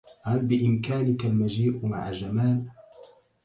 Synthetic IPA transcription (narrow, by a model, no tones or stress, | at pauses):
halbɪʔɪmkaːnɪkalmad͡ʒiːʔma̰ʕad͡ʒamaːl